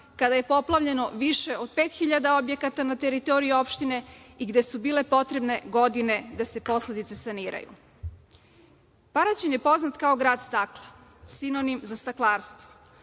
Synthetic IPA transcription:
kad̪aje̞po̞plˠaʋʎe̞no̞ʋiʃeo̞d̪̥̚pe̞ːt̪xiʎad̪ao̞bje̞kat̪anat̪e̞ɾit̪o̞ɾijuo̞pʃt̪ine̞iɡd̪e̞subiːle̞po̞t̪ɾe̞bne̞ɡo̞d̪ine̞d̪ase̞po̞sle̞d̪it̪sesaniːɾa̰jṵ | paɾat͡ɕemje̞po̞znat̪kao̞ɡɾaːd̪st̪aklˠasino̞nimzast̪aklˠaːɾst̪ʋo̥

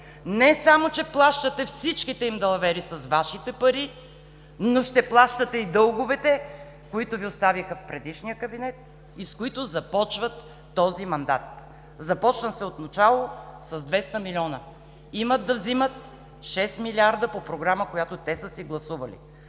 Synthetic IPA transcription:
nɛsamot͡ʃɛplˠaʃt̪ət̪ɛfsit͡ʃkit̪ɛimd̪ɐlˠɐvɛɾisɐsvaʃit̪ɛpɐɾi | noʃt̪ɛplˠaʃt̪ət̪ɛid̪ɤlˠɡovɛt̪ɛ | koit̪ʊviost̪avixəfpɾɛd̪iʃnijəkɐbinɛt̪ | iskoit̪ʊzɐpɔt͡ʃvət̪ː | ɔzimɐnd̪a̰t̪ | zɐpɔt͡ʃnəsɛot̪nɐt͡ʃalˠosɐzd̪vɛst̪əmilʲɔnə | iməd̪ːɐvzimət̪ | ʃɛsmilʲiaɾd̪əpopɾoɡɾaməkojat̪ot̪ɛsəsiɡlˠɐsuvɐlḭ

